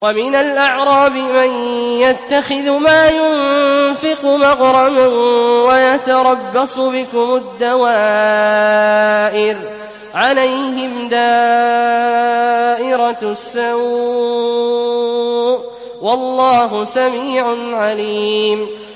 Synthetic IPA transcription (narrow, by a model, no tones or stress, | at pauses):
wamɪnalʔaʕɾˤɑːbɪmanjat̪ːaxɪðmaːjʊnfɪqʊmaqɾˤɑmanwajat̪aɾˤɑbːɑsˤʊbɪkʊmʊd̪ːawaː | ʔɪɾ | ʕalajɦɪmd̪aː | ʔɪɾɑsːa | wɑlˤːɑːɦʊsamiːʕanʕaliːm